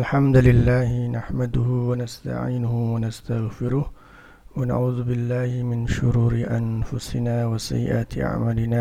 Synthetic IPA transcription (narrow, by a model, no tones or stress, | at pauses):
ʔalħamd̪lɪlːaːhɪnaħmad̪ʊhʊwanast̪a̰ʕḭːnʊhʊwanast̪aɣfɪɾʊh | wana̰ʕuːðʊbɪlːaːhɪmɪnʃʊɾuːɾɪʔanfʊsɪnaːwasa̰jːɪ̰ʔaːt̪ɪʔa̰ʕmaːlɪnaː